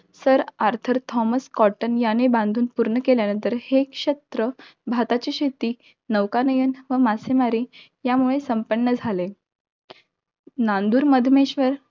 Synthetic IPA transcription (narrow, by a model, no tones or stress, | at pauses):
səɾaɾt̪ʰəɾt̪ʰɔməskɔʈənjanebãnd̪ʱuːnpuɾɳəkeljanə̃nt̪əɾhekɕet̪ɾəbʱat̪at͡ɕiɕet̪iː | nəʋkanəjənʋəmasemaɾiː | jamuɭesəmpəɳːəd͡zʱale | nãnd̪uːɾməd̪ʱmeɕʋəɾ